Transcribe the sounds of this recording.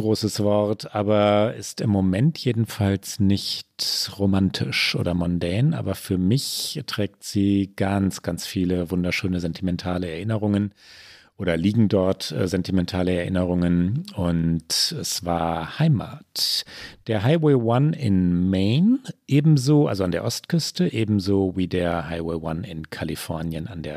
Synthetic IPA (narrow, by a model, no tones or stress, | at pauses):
ɡ̥ʁoːsəsv̥ɔɐtʰʔaːbɐɪstɪmːomɛntʰjeːdn̩falsnɪçtʁomantʰɪʃʔo̰ːdɐmɔndɛɐnʔa̰ːbɐfyːɐmɪçɛtʁ̥ɛːk̚tz̥iːɡ̥ansɡ̥ant͡sfiːləvʊndɐʃøːnəzɛntʰimɛntʰaːləɛɐʔɪnəʁ̞ʊŋən | ʔʔoːɾɐliːɡŋ̩dɔɐtɛ̰ːzɛntimɛntʰaːləɛɐʔɪnəʁ̞ʊŋənʊntɛsv̥aːɐhaɪma̰ːtd̥eːɐɦaɪwɛːwanɪ̰nmeɪnʔeːbm̩zoːʔa̰lzoandeːɐʔɔstkʰʏstəʔeːbm̩zoːviːdeːɐɦaɪwɛːwanɪnkʰalifɔɐnjəna̰ndeːɐ